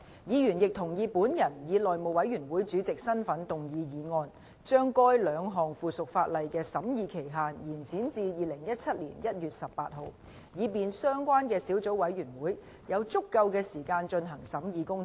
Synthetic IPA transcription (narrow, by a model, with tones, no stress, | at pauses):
jiː˨˧jyː˨˩njɪ˨k̚t̪ʰʊ˨˩ŋjiː˨˧puː˨˥njɐ˨˩njiː˨˧lɔː˨˩jmo˨wɐ˨˧˥jɥyː˨˩nwuː˨˥jt͡syː˨˥t͡sɪ˨k̚sɐ˥nfɐ˨˥nt̪ʊ˨ŋjiː˨˧jiː˨˧ŋɔː˧n | t͡ʃœː˥ŋkɔː˥jlœː˨˧˥ŋɦɔː˨˩ŋfuː˨sʊ˨k̚faː˧t̚lɐ˨jkɛː˧sɐ˨˥mjiː˨˧kʰe˨˩jɦaː˨njiː˨˩nt͡sʰiː˨˥nt͡siː˧jiː˨˧lɪ˨˩ŋjɐ˥t̚t͡sʰɐ˥t̚lḭ˨˩njɐ˥t̚jyː˨t̚sɐ˨pːaː˧t̚ɦo˨˧w | jiː˨˧p̬iː˨nsœː˥ŋkʷaː˥nkɛː˧siː˨˥wt͡so˨˥wɐ˨˥jɥyː˨˩nwuː˨˥j | jɐ˨˧wt͡sʊ˥kːɐ˧wkɛː˧siː˨˩kaː˧nt͡ʃɵ˧nɦɐ˨˩ŋsɐ˨˥mjiː˨˧kʊ˥ŋʰ˨˥